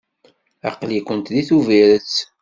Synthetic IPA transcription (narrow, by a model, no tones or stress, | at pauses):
ɑ̰qlikʷənt̪ðiθuviɾət͡sː